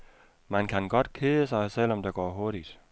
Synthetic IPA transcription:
mænkʰænɡ̥ɒ̽d̥kʰeːəsɑ̈ɪsel̰ɒ̽md̥äɡ̥ɒ̰ːɦoɐɾ̥id̥

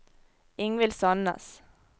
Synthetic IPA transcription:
ɪŋʋɪlsɑnɑ̰s

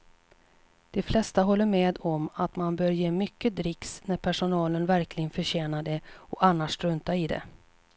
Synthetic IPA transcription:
d̪̥ɛflɛst̪aɦɔlːəɾmeːd̪ɔmat̪manbœːɾjeːmʏkːəd̪ɾɪksnæɾpʰæʂʊnɑːlənvæɾkʰlɪɡənfœɕeːnad̪ɛɔanːaʂtɾɵnt̪aɪd̪ɛ̰

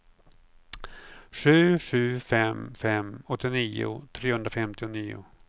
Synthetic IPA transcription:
ɧʉ̟ːɧʉ̟ːfɛmfɛmɔt̪ːɪniːʊ̰t̪ʰɾeːhɵnd̪ɾafɛmt̪ɪʊniːʊ̰

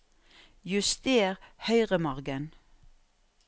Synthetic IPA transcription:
jʉst̪eːʁhœʏʁəmɔʁɡən

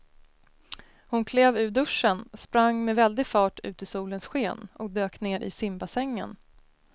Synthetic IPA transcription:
hʊnkʰleːvʉ̟ːɖɵʂːənspɾaŋːmɛvɛld̪ɪɡfɑːʈʉ̟̰ːt̪ɪsuːlənsɧeːnɔk̚d̪øːkneːɾʔɪ̰sɪmbasɛŋːə̰n

